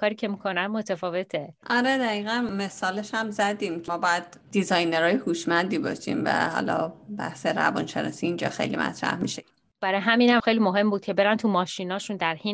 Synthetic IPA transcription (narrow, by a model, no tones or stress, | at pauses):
kʰɒːɾiːcʰe̞miːkʰo̞nænmot̪ʰæfɒːve̞t̪ʰeʔɒɾed̪æɣiːɣænme̞sɒːleʃhæmzæd̪iːmmɒːbɒjæd̪̥̚ːizɒjneɾɒːjehuːʃmænd̪iːbɒ̰ːʃḭːmvæ̰hɒ̰ːlɒ̰bæ̰hseɾæ̰vɒ̰nʃenɒ̰ːsiːnd͡ʒɒːxḛjlḭmæ̰t̪ʰɾæ̰hmiʃe | b̥æɾɒːjɦæmiːnhæmxe̞jliːmoɦe̞mbuːd̪̥̚cʰe̞be̞ɾænt̪ʰumɒːʃinɒːʃund̪æɾhin